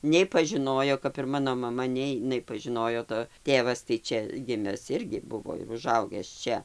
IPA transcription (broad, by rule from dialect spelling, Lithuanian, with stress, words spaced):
nʲɛɪ pɐʒʲɪˈnoːjoː kɐp ɪr ˈmɑːnoː mɐˈmɐ nʲɛɪ ɪˈnɐɪ nʲɛpɐʒʲɪˈnoːjoː toː ˈtʲeːʋɐs tɐɪ ˈt͡ʃʲɛ ˈɡʲɪmʲɛs ˈɪrʲɡʲɪ ˈbʊʋoː ɪr ʊˈʒɐʊɡʲæːs ˈt͡ʃʲɛ